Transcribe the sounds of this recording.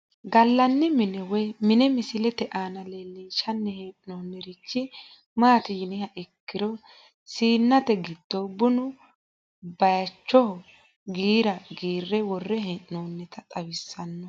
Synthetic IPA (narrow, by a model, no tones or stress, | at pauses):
ɡɐlːɐnːɛmɪnɛwɛmɪnɛmɪsɪlɛt̪ɛʔaːnɐleːlːiːʃɐnːɛheːʔɪnoːnːɛɾɪt͡ʃːɪ | maːt̪ɪjɪnɪhɐʔɛkːɪɾɔ | siːnːɐt̪ɛɡɪd̪̥ːɔbʊnʊ | bɐjɐt͡ʃːɔhɔ | ɡiːɾɐɡiːrːɛwɔrːɛɦɛʔnoːnːɛt̪ɐt̪ʼɐwɪsːɐnːɔ